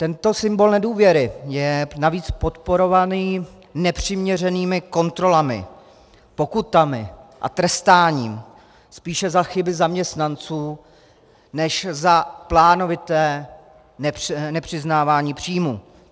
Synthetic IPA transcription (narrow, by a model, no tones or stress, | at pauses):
t̪ɛnt̪o̞sɪmbo̞lnɛduːvjɛɾɪjɛnaviːt͡spo̞t̪po̞ɾo̞vaniː | nɛpr̝̥ɪmɲɛr̝ɛniːmɪko̞nt̪ɾo̞lamɪ̰ | po̞kut̪amɪʔa̰t̪ɾɛst̪aːɲiːm | spiːʃɛzaxɪbɪzamɲɛst̪nant͡suː | nɛʃzaplaːno̞vɪt̪ɛː | nɛnɛpr̝̥ɪznaːvaːɲiːpr̝̥iːmuː